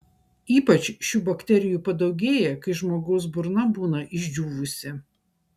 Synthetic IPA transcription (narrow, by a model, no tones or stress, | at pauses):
iːpɐt͡ʃʃʲuːbɐkt̪ʲɛɾʲɪjuːpɐd̪ɐʊɡʲeːjɛkɐɪʒmoːɡɐʊsbʊɾnɐbuːnɐʔɪʒʲd͡ʒʲuːʋʊsʲɪ